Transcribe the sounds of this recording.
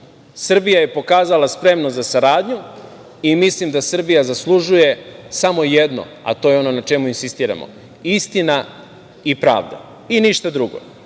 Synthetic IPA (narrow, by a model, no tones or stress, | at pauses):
sr̩bijaje̞po̞kaːzalaspɾe̞mnozasaɾaːd̪ɲu | imislimd̪asr̩bijazaslˠuʒuje̞samo̞jed̪no̰ | a̰t̪o̞ːjeo̞no̞nat͡ʃe̞muinsist̪iːɾa̰mo̞̰ | ist̪ina | ipɾa̰ːʋd̪a̰ | iniʃt̪ad̪ɾuɡo̰